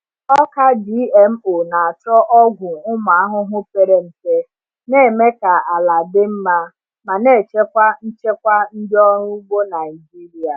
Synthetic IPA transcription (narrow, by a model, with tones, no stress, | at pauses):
ɔ˦ka˦di˦e˦m̩˦o˨na˨a˨t͡ʃɔ˦ʔɔ˦ɡʷʊ˨ʊ˦ma˨a˦ɦʊ˦ɦʊ˦pe˦˨ɾe˦m̩˨te˦ | ne˦˨me˦ka˨a˨la˨dɪ˦m̩˦ma˦ | ma˨ne˦˨t͡ʃe˦kʷa˦n̩˦t͡ʃe˦kʷa˦n̩˦dɪ˦ɔ˦ɾʊ˦bo˦na˨i˨d͡ʒi˦ɾi˨a˨